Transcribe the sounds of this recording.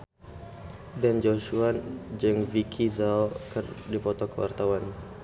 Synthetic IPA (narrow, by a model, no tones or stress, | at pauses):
bɛnd͡ʒɔʃuand͡ʒɨŋvikʰizaɔkərdipɔt̪ɔkəwa̰rt̪awan